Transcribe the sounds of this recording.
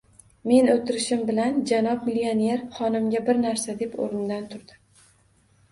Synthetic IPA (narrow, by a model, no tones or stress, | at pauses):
me̞not̪ɪɾɪʃɪmbɪland͡ʒanɒpmɪlione̞ɾχɒnɪmɡʲabɪɾnaɾsad̪e̞po̰ɾɪnd̪ant̪ʰʊɾd̪ɪ